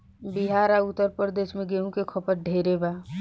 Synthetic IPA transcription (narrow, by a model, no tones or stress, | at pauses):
biɦaːɾaʊt̪ːəɾpɾəɾd̪eːʃmẽɡeːɦũkekʰɔpəɾ̚ɖʱeːɾebaː